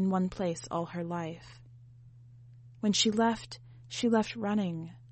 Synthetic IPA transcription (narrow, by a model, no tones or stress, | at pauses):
nwʌ̃npʰl̥eɪsɔ̰lˠə˞laɪf | wɨ̃nʃilɛft | ʃilɛft̚ɹʌɾ̃ɪ̃ŋ